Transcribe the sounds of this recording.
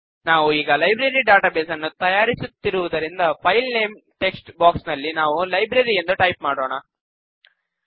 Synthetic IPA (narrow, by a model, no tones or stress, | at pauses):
naːʋuiːɡɐlɐjbɾɐɾiɖaːʈaːbeːsɐnːut̪ɐjaːɾisut̪ːiɾuʋud̪ɐɾind̪ɐpʰɐjlneːmʈe̞ksʈbaːksnɐlːinaːʋulɐjbɾɐɾijend̪uʈɐjp̚maːɽoːɳɐ